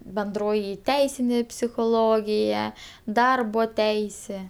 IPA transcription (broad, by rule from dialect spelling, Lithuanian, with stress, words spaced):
bʲɛnˈdroːjɪ ˈtʲɛɪsʲɪnʲeː pʲsʲɪxoːˈlˠoːɡʲɪjɛ ˈdɐrboː ˈtʲɛɪsʲeː